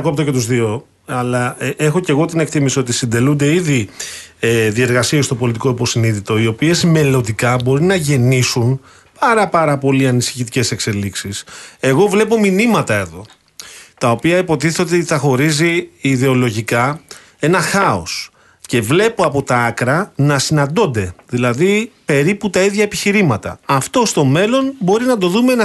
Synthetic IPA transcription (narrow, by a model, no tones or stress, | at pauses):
ɐko̞p̚t̪oce̞t̪uzðio̞ | ɐlɐe̞xoce̞ɣo̞t̪ine̞kt̪imisoo̞t̪isind̪e̞lund̪e̞iði | eðie̞ɾɣɐsie̞st̪o̞po̞lit̪iko̞ipo̞siniðit̪o̞io̞pie̞zme̞lo̞nd̪ikɐbo̞ɾinɐʝe̞nisun | pɐɾɐpɐɾɐpo̞liɐnisi̥çit̪ice̞se̞kse̞liksise̞ɣo̞vle̞po̞minimɐt̪ɐe̞ðo̞ | t̪ɐo̞piɐipo̞t̪iθθot̪iθɐxo̞ɾiziːðe̞o̞lo̞ʝikɐ | e̞nɐxɐo̞̰s | ce̞vle̞poɐpo̞t̪ɐɐkɾɐnɐsinɐnd̪o̞nd̪e̞ðilɐðipe̞ɾiput̪ɐiðʝɐepiçiɾimɐt̪ɐ̰ɐft̪o̞st̪o̞me̞lo̞nbo̞ɾinɐd̪o̞ðumeenɐ